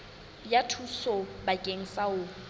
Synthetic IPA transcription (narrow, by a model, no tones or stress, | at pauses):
jatʰusɔbakʼeŋ̩saʊ